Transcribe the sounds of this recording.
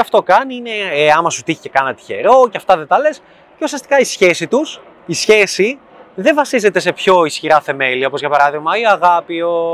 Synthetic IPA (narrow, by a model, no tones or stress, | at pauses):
ɐft̪okɐniine̞ɐmɐsut̪içi̥cekɐnɐt̪i̥çe̞̰ɾo̞ceɐft̪ɐðet̪ɐle̞s | ceusiɐst̪i̥kɐisçe̞sit̪us | isçe̞si | ðe̞vɐsize̞t̪e̞se̞pço̞isçiɾɐθe̞meliɐo̞po̞zʝɐpɐɾɐðiɣmɐiɐɣɐpio